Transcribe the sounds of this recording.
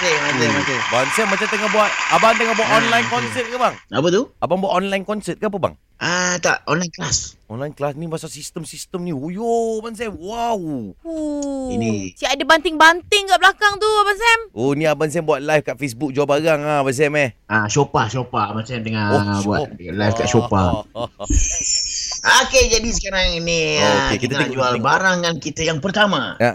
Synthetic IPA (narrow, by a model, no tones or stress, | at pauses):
semat̪emat̪ebansamːat͡ʃamt̪əŋabuat̪̚abaŋt̪əŋahbuaʔ̪ɔnlajnkɔnsət̪̚kabaŋapət̪uabaŋbuat̪ɔnlajnkɔnsɛt̪̚kaap̬əba̰ŋ | ʔat̪a̰ʔɔnlajnklasɔnlajnklasnimasalsist̪əmsist̪əmnĩojoabans̬ɛmwawoinisiaʔadəbant̪ɪŋbant̪ɪŋkablakaŋt̪uabansɛmonĩabans̬ɛmbuat̪̚lajfkaʔfes̬buk̚d͡ʒuabaɡaŋaabans̬ɛmɛhaʃopahʃopamat͡ʃamdəŋaobua̰t̪lajfka̰ʔʃopa̰ | aked͡ʒadis̬ə̥kaɾaŋiniokekit̪and͡ʒualbaɾaŋːankit̪əjaŋpərt̪amaa